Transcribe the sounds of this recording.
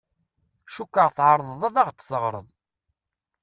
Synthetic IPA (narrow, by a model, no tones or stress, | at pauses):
ʃukːəʁθʕəɾˤðˤðˤɑðɑʁt͡s̪ːsəʁɾˤə̰ðˤ